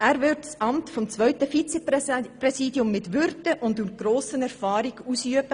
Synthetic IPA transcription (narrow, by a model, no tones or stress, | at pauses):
æːɾvʋɪɾtsʔɑmtfɔmt͡sʋœʏtəfit͡sɛprɛsiːdjʊmːɪtʋʏɾtəʔʊndyɡ̥ɾoːsənɛɾfɑːɾiɡuːsyəbə